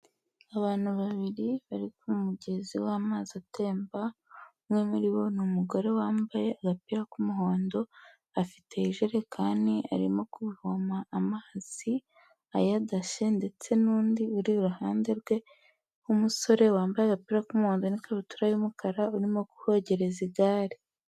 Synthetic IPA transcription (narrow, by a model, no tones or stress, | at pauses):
aβaːn̥huβaβiɾiβaɾikumuɟe̞ziwaːmaːzate̞ːmba | mŋe̞muɾiβo̞numuɡo̞ɾe̞waːmbaje̞aɡapiɾakumuɦo̞ːndo̞ | afi̥te̞iʒeɾe̞kʰaːndia̰ɾḭmo̞kuβihomaʔːmaz̥i | a̰jadaʃe̞nde̞t͡se̞nuːndiuɾiɾuɦaːnde̞ɾɡwe̞ | umuso̞ɾe̞waːmbajeaɡapiɾakumuho̞ːndonikaβutuɾajumukʰaɾauɾimo̞ku̥ho̞ɟe̞ɾeziɡaːɾi